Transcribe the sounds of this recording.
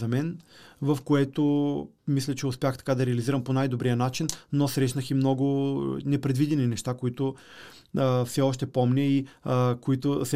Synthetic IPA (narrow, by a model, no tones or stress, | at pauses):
zɐmɛnvɐfkoɛt̪o | mislʲɐt͡ʃɛʊspʲjaxt̪ɐ̥kad̪ɐɾɛɐliziɾɐmponajd̪obɾijənat͡ʃinːosɾɛʃnəximnɔɡʊnɛpɾɛd̪vid̪ɛninɛʃt̪akoit̪ʊ | əfsɛɔʃt̪ɛpɔmnʲɛikoit̪ʊsɛ